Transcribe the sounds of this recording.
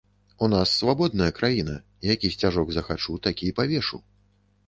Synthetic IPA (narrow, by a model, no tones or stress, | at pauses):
unasːvabɔd̪̚nɐjɐkɾajinɐ̰ | ijakʲisʲt͡sʲaʐɔɡzɐxat͡ʂut̪akʲipavʲɛʂṵ